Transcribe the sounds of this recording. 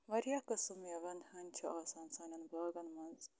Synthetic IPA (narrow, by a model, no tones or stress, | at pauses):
ʋɐɾjakɐsumjɐʋɐnd̪hɐnt͡ʃʰɐʔaːsaːnsaːnɐnblaːɡɐnmɐnz